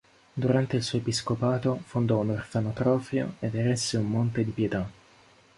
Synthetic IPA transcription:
d̪uɾant̪eilsuːoepiskopaːt̪ofond̪ɔunorfanot̪ɾɔːfjo̰ed̪eɾɛsːeumːont̪ed̪ipjet̪a

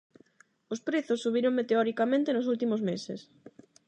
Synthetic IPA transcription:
ospɾeθʊsːuβ̞iɾoŋmet̪eɔɾikamẽnt̪enosult̪imozmesḛs

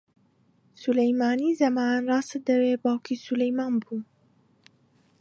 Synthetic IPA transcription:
sulɛjmɑːniːzɐmɑːnɾɑːsɨd̪əweːbɑːwkʰisulɛjmaːnbuː

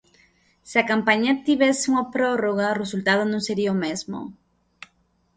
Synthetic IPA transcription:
sakampaɲat̪iβeseumapɾoroɣaresult̪aðonõseɾiaomezmo̰

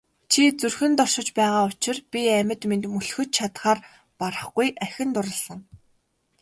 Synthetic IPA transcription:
t͡ɕʰit͡surxɘ̆nt̪ɔrʃɪ̆t͡ɕpæːʁaːʊt͡ɕɪ̆rpʲiæmʲɘ̆t̪ment̪mɵɮxɵ̆t̪̚t͡ɕʰat̪χaːr | paɾə̆χɡujʔæxʲɪ̆nt̪ʊɾə̆ɮə̆ŋ

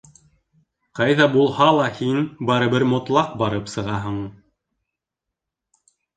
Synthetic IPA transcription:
qɑjðɑbulˠhɑlˠɑhinbɑɾɤ̆bɘɾmŏt̪lˠɑq̚bɑɾɤpsɤ̆ʁɑɦɤɴ

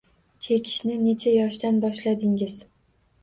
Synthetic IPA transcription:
t͡ʃʰe̞kʲʰɪ̥ʃnɪne̞t͡ʃʰajɒʃd̪anbɒʃlad̪ɪŋɪz

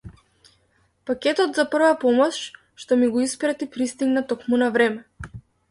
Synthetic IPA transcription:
pakʲɛt̪ɔt̪zapr̩vapɔmɔʃ | ʃt̪ɔmiɡɔispɾat̪ipɾist̪iɡnat̪ɔkmunavɾɛmɛ

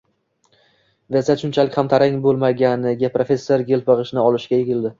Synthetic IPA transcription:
vesat̪ʃʊnt͡ʃʰalɪkʲhamt̪ʰaɾaŋbolˠmaɡʲanɪɡʲapɾo̞fʲe̞sːoɾɡʲelˠpɑʁɨʃnɪɒlˠɪʃɡʲajeɡʲɪlˠd̪ɪ

